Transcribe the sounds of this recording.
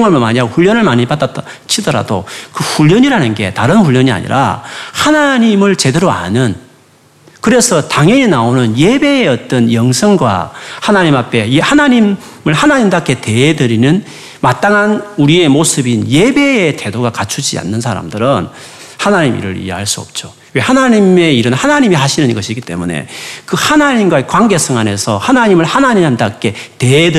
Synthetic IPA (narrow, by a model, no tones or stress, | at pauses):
ŋʌɭmmaɲaɡɸuʎːʌnɯɭmaɲibadat͈ | t͡ɕʰidʌɾa̰dokɯɸuʎːʌɲiɾanɯnɡe̞̰taɾɯnɸuʎːʌɲia̰ɲḭɾʔa̰hanaɲimɯɭt͡ɕe̞deɾoa̰nɯn | kɯɾe̞sʰʌtaŋeinaonɯnje̞be̞ːʌt͈̚ʌnjʌŋsʰʌŋɡwa̰hanaɲimapʰe̞hanaɲim | mɯɭhanaɲimdakʰe̞te̞ɦedɯɾinɯn | mat͈aŋanuɾie̞mosʰɯbinje̞be̞ːte̞doɡakat͡ɕʰud͡ʑḭa̰nːɯnsʰaɾa̰mdɯɾɯn | hanaɲimḭɾɯɾḭeɦaɭs͈uʌ̰p̚t͡ɕ͈o | we̞hanaɲime̞iɾɯnhanaɲimiɦaɕʰinɯniɡʌɕʰiɡit͈e̞̰mune̞̰kɯhanaɲimɡwaikwaŋɡe̞sʰʌŋane̞sʰʌhanaɲimɯɭhanaɲimamdak͈e̞te̞ed